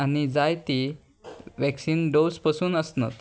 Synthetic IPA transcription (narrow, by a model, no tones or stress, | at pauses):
añid͡zajt̪i | ʋɛksiːnɖospəsuːnəsnət̪